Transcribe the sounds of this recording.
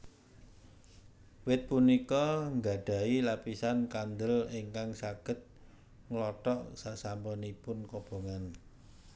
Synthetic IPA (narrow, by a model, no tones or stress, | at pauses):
wɪt̪̚punikɔŋɡaɖ̥a̤ilapisankand̪əlɪŋkaŋsaɡ̥ə̤t̪̚ | ŋlɔt̪ɔʔsasampɔnipʊnkob̥o̤ŋan